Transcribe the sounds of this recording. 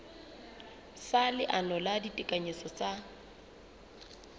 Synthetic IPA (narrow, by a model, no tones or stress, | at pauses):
salɪʔanɔladitʼɪkʼaɲesɔt͡sʼa